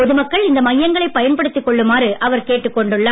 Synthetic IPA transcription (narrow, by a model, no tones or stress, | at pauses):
ɔðɯmɐkːɐɭɪnd̪ɐmɐjːɐŋɡɐɭɐɪpːɐjɐnpɐɽɯt̪ːɯkːɔɭːɯmaːrɯʔɐʋɐɾkeːʈːɯkːɔɳɖɯɭːaː